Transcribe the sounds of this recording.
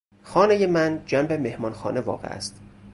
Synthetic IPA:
xɒːnejemænd͡ʒæmbeme̞hmɒːnxɒ̰ːnevɒ̰ːɣḛʔæ̰st̪

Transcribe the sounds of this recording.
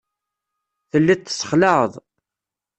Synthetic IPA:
θəlːit̪ːsːə̥χləʕəðˤ

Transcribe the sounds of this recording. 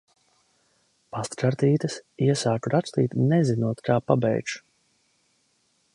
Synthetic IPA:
past̪ɾaɾt̪iːt̪ɐsiɛsaːkuɾatst̪ḭːt̪nɛzinuɔt̪kʰaːpabɛ̰jt͡ʃu̥

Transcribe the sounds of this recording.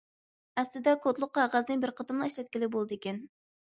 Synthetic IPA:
æslɪd̪ɛkʰot̪lˠʊqːɑʁæznɪbɪɾqʰət̪ɨmlˠɑiʃlɛt̪̚kʲilɪk̚ʲbolˠd̪ɨekʲɛn

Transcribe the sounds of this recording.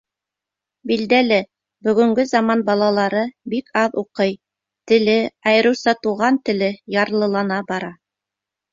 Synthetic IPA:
bild̪ælɘ | bɵ̆ɡɵ̆ŋɡɵzɑmɑnbɑlˠɑlˠɑɾɤbikɑðuqɤj | t̪ɘ̆lɘɑjɤ̆ɾɤ̆wsɑt̪uʁɑnt̪ɘ̆lɘjɑɾlˠɤ̆lˠɑnɑbɑɾɑ

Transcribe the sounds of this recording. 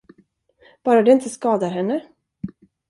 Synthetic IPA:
b̥ɑːɾad̪ɛɪnt̪əskɑːd̪aɾɦɛnːə

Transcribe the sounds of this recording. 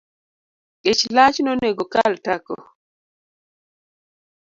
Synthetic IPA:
ket͡ʃlat͡ʃnoneɡokaltakɔ̰

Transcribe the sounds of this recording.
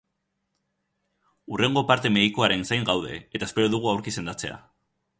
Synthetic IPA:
urʔe̞ŋɡo̞paɾt̪e̞me̞ðikoaɾe̞nsajŋɡawðe̞̰et̪aespe̞ɾo̞ðuɣ̞uawɾkise̞nd̪at͡se̞̰a̰

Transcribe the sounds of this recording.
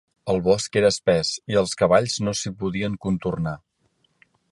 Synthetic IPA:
əlˠβɔskeɾəːspɛziəlˠskəβ̞aʎznosipuðiəŋkunt̪urna

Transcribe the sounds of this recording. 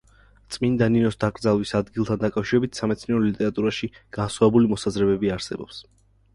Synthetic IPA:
t̪sʼmind̪aninɔsd̪akʼɾd̪zalˠwisad̪ɡilˠt̪ʰand̪akʼafʃiɾɛbit̪ʰsamɛt̪sʰniɛɾɔlit̪ʼɛɾat̪ʼuɾaʃiɡ̥ansχwaɛbulimɔsazɾɛbɛbiaɾsɛbɔ̰ps

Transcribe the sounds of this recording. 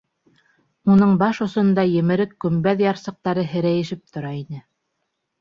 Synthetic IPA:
unɤɴbɑʃŏsŏnd̪ɑjɘ̆mɘ̆ɾɘkːɵ̆mbæðjɑɾsɤ̆q̚t̪ɑɾɤɦɘ̆ɾæjɘ̆ʃɘp̚t̪ŏɾɑinɘ

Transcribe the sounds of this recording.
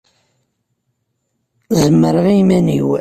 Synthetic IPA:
ðəmːəɾʁimænḭw

